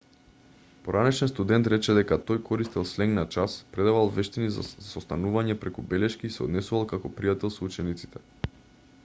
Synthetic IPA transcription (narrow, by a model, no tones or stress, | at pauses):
poɾanɛʃɛnst̪ud̪ɛnt̪ɾɛt͡ʃɛd̪ɛkat̪ojkʰɔɾist̪ɛlˠslɛŋɡnat͡ʃaspɾɛd̪avalˠvɛʃt̪iniza̰sost̪anuvaɲɛpɾɛkubɛlɛʃkiːsɛɔ̰d̪nɛsuvalˠkakɔpɾijat̪ɛlˠsout͡ʃɛnit̪si̥t̪ɛ